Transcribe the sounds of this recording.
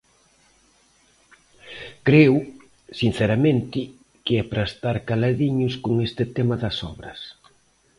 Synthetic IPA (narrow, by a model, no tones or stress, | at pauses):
kɾew | sin̟θɛɾɐment̪ɪ | kɪɛpɾɐest̪aɾkalaðiɲʊskoŋest̪ɪt̪ɛmɐðɐsɔ̰βɾɐ̰s